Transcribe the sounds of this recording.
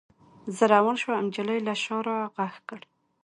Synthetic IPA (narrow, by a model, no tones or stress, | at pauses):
zəɾawanʃwaamd͡ʒaləjlaʃɑɾaɣaxkəɽ